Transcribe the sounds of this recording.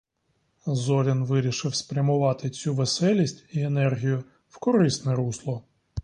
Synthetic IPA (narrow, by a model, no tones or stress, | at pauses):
zɔɾʲɪnʋɪɾʲiʃɪwspɾʲɐmʊʋɑt̪ɪt͡sʲuʋesɛlʲisʲtʲienɛrɦʲijʊ | wkɔɾɪsnɛɾuslˠɔ